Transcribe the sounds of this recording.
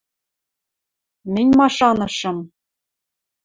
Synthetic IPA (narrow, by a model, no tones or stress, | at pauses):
mʲɘ̆nʲmɑʂɑnɤ̆ʃɤ̆m